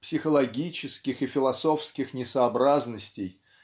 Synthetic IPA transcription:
psʲɪxəlˠɐɡʲit͡ɕɪskʲɪxɨfʲɪlˠɐso̞fskʲɪxnʲɪsəːbɾaznəsʲtʲɪj

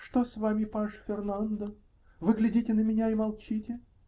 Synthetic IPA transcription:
ʂt̪osvamʲɪpaʂfʲɪrnand̪ə | vɨɡlʲɪdʲitʲɪnəmʲɪnʲaimɐlˠt͡ɕitʲɪ

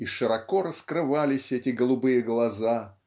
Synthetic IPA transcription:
iʂɨɾɐkoɾəskɾɨvalʲɪsʲɛtʲɪɡəlˠʊbɨjəɡlˠɐza

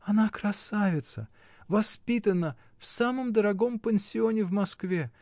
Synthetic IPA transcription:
ɐnakɾɐsavʲɪt̪sə̰ | vɐspʲit̪ənə | fsaməmd̪əɾɐɡo̞mpʲɪnʲsʲɪo̞nʲɪvmɐskvʲe

